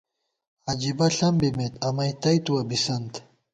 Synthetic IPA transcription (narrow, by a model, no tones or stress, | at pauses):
ɐd͡ʑibɐɬɐmbimet̪ɐmɐjt̪ɐjt̪uwɐbisɐnt̪